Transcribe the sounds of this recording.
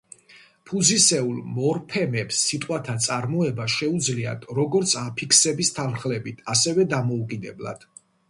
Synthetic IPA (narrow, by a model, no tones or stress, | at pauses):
pʰuzisɛulˠmɔɾpʰɛmɛpsːit̪ʼqʼwat̪ʰat̪sʼaɾmɔɛbaʃɛud̪zlia̰d̪ɾɔɡɔɾt̪sʰapʰikʰsɛbist̪ʰanχlɛbit̪ʰasɛvɛd̪amɔukʼid̪ɛbla̰d̪̥